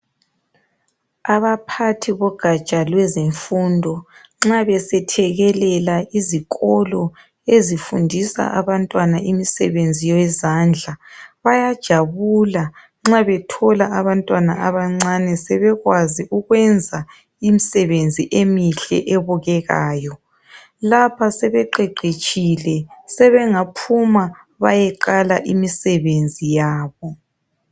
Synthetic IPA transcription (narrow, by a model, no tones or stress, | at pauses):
aβapʰatʰiβɔɡ̥ʱḁt͡ʃʼalwɛzeɱfundʱɔ | ŋ͡ǁaβɛsɛtʰɛɣɛlɛlaiziɣʼɔlɔ | ezifundʱisa̰ʔaβantʼwanaʔimisɛβend͡zʱijɔwɛzand͡ɮʱaβajad̥ʒ̥ʱaβula | ŋ͡ǁaβɛtʰɔlaʔaβantʼwanaʔaβaŋ͡ǀanɛsɛβɛɣwaziʔuɣwɛnd͡zʱa | imisɛβend͡zʱiʔemiɬɛ̰ʔɛβɔɣɛɣa̰ːjɔ | lapʰasɛβɛǃeǃʱet͡ʃʼilɛsɛβɛŋapʰuma | βajɛǃala̰ʔimisɛβend͡zʱijaːβɔ